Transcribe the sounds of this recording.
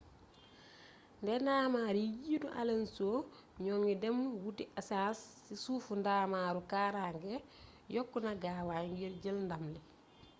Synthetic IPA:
ndɛndaːmaːɾijiduʔa̰lensoː | ɲɔːŋidɛmwutiʔasaːsːisuːfundaːmaːɾukaːɾaːŋɡɛ | jɔkːunaɡawaŋɡiɾɟəlndamlɛ

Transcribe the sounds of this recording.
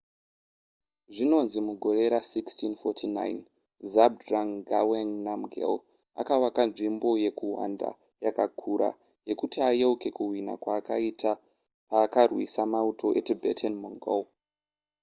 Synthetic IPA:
ʐino̞nzimuɡʱo̞ɾe̞ɾasikstinfotʰina̰jn | zab̚draŋɡaweŋnamɡʱḛl | a̰kawakanʐimbo̞je̞kuwa̰nda̰ | jakakʰuɾa̰ | je̞kutiajewuke̞kuwina̰kwaːkaitʰa | paːkarwḭsamautʰo̞ʔetibʱḛtʰenmoŋɡo̰w

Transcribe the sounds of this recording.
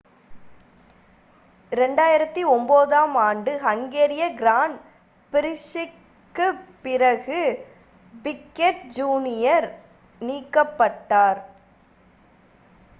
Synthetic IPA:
ɪɾɛɳɖaːjɪɾɐt̪ːiɔmboːðaːmaːɳɖɯhɐŋɡeːɾɪjɐɡɪɾaːɳ | pɪɾɪʂɪ | kːɯpɪɾɐɣɯ | bɪkːeʈ̚d͡ʒuːnɪjɐɾ | niːkːɐpːɐʈːaːɾ

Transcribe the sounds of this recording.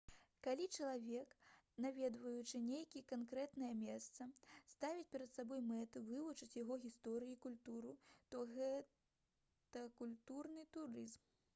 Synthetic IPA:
kalʲit͡ʂɐlˠavʲɛknavʲɛd̪vɐjut͡ʂɨnʲejkʲikankɾɛt̪nɐjɐmʲɛst̪sɐst̪avʲit͡sʲpʲɛɾɐt̪sabɔjmɛt̪ɨvɨvut͡ʂɨt͡sʲjaɣɔɣʲist̪ɔɾɨjikulʲt̪uɾut̪ɔɣɛ | t̪ɐkulʲt̪urnɨt̪uɾɨzm

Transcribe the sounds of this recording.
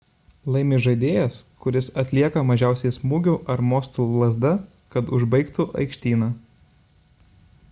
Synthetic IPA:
lˠɐɪmʲeːʒɐɪd̪ʲeːjɛskʊɾʲɪsɐt̪ʲlʲiɛkɐmɐʒʲæˑʊsʲɛjsmuːɡʲʊʔɐɾmoːst̪uːlˠɐzd̪ɐ | kɐt̪ʊʒbɐɪkt̪ʊʔɐ̰ɪkʃʲt̪ʲiːnɐː

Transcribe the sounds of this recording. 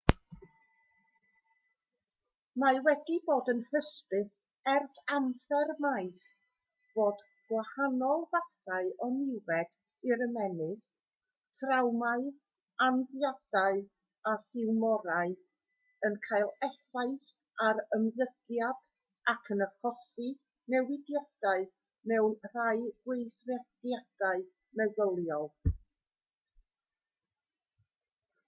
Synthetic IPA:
mawɛdiboːdənhəspɪs | ɛrθamsɛrmajθ | v̥oːd | ɡ̥wahanɔlˠvaθaɨɔnɪwɛd̥ | ɪɾəmɛnɨð | tʰrawmaɨ | anðjad̥aɨ | aθɪwmɔɾaɨ | ənkʰaɨlˠɛθaɨθ | aɾəmðəɡ̥jad̥ | akʰənəkʰɔsi | nɛwɪdjad̥aɨ | mɛwnr̥ajɡwejθrad̥jad̥aɨ | mɛðɔlˠjɔð

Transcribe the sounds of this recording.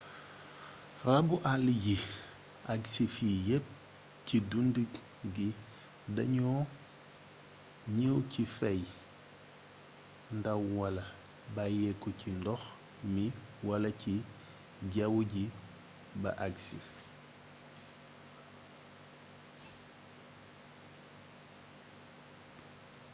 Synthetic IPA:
rɐbuʔalːiɟi | ʔaɡsifijɛp̚ | cidundə | ɡi | dɐ̰ɲɔː | ɲəwcifɛj | ndɐwwɐlɐ | bajɛkːucindɔx | miwɐlɐci | ɟawuɟi | bɐ̰ʔaksi

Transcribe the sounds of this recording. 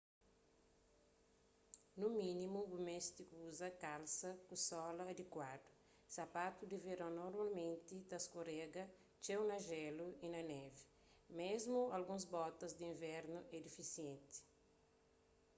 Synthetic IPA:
numĩnimuumest̪ikuzɐkalsɐkusɔlɐːd̪ekwad̪u | sapat̪ud̪iveɾãnoɾmalmẽnt̪id̪ɐskoɾɛɡɐ | t͡ʃewnɐʒɛluinɐnɛvi | mezmualɡũzbɔt̪ɐzd̪iĩvɛɾnuʔɛd̪ifisiẽnt̪i̥

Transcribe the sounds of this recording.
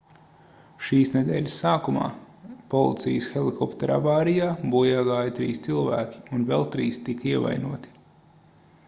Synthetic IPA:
ʃiːsnɛd̪ɛːlʲsːaːkuma̰ː | pɔlˠḭt̪sijəsxelˠikɔpt̪eɾa̰vaːɾijaːbuɔjaːɡaːjɐt̪ɾḭːst̪silˠvæːkʲi̥unvɛlˠt̪ɾiːst̪ikiɛva̰jnuɔt̪i̥

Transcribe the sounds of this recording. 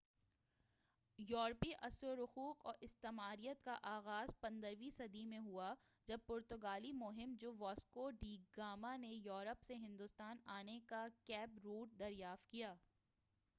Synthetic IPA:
jɔːɾpiʔɐsɾoɾʊxuːqɔːɾɪst̪eːmaːɾijət̪kaʔaːɣaːzpɐ̃nd̪əɾʋisɐd̪imẽɦua | d͡ʒɐb̚pʊɾt̪ʊɡaːlimʊɦɪmd͡ʒoːʋɔːskoɖiːɡɡaːmanejɔːɾəpseɦɪ̃nd̪ʊst̪aːnaːnekakɛːbɾuːʈ̚d̪ɐɾjaːft̪̚kijaː

